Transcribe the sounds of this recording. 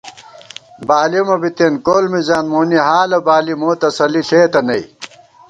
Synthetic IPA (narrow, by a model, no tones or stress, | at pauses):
baːlimɐbit̪enkoːlmizaːnmoːniɦaːlɐbaːlimoːt̪ɐsɐliɬeːt̪ɐnɐj